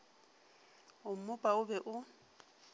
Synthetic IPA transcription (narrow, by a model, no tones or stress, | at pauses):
ʊm̩mʊpʼaʊbɛʔʊ